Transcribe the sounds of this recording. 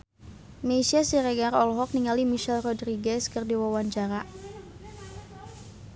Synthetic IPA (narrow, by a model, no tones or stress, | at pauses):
meisiasiɾɛɡarɔlɦɔk̚niŋalimiʃɛlrɔdɾiɡɛskərdiwawaɲt͡ʃaɾa